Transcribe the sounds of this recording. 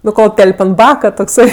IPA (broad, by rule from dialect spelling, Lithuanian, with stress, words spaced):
nʊ ˈkoːlˠ ˈtʲɛlʲpʲ ɐnt ˈbɑːkɐ toːkˈsɐɪ